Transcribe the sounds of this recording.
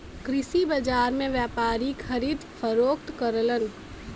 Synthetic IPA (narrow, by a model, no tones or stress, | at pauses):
kɾɪsibɐd͡ʒaːɾmẽʋjaːpaːɾikʰəɾiːd̪fəɾoːk̚t̪kəɾlən